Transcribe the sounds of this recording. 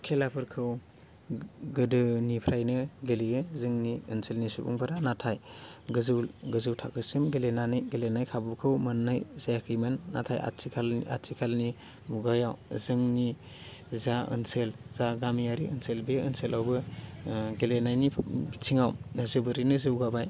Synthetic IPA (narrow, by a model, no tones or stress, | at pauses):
kʰelapʰɯɾkʰɯw | ɡɯdɯnipʰɾajnɯɡelijɯzɯŋniɯnselnisubṵŋpʰaɾanatʰajɡɯzɯwɡɯzɯwtʰakʰɯsimɡelenanɯjɡelenajkʰabukʰɯwmɯnːɯjzajakʰɯjmanːa̰tʰa̰ja̰sikʰala̰tsikʰalni | muɡajawzɯŋni | zaɯ̰nselz̥aɡamijaɾiɯnselbeɯnselʔawbɯ | ɡelenajnibitʰiŋawnɯzɯbɯɾinɯzɯwɡabaj